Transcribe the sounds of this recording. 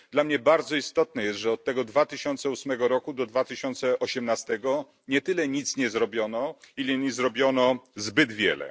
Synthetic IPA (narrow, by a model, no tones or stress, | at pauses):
d̪lamɲɛbaɾd̪zɔist̪ɔt̪nɛjɛst̪ʐɛɔt̪̚tːɛɡɔd̪vat̪ɘɕɔnt̪sɛusmɛɡɔɾɔkud̪ɔd̪vat̪ɘɕɔnt̪sɛʔɔɕɛmnast̪ɛɡɔ | ɲɛt̪ɘlɛɲit̪sɲɛzɾɔbʲjɔnɔilɛɲizɾɔbʲjɔnɔzbɘd̪vʲjɛ̰lɛ̰